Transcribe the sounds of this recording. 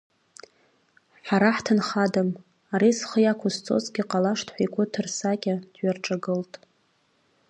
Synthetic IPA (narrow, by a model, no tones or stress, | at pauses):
ħaɾaħtʰɨnχadam | aɾisχəjakʷʰʊst͡sʼo̞̰zɡʲɪqʼalaʂtʰħʷakʷʼʊtʰɨrsakʲʼad̥ɥarʈ͡ʂʼaɡɨltʼ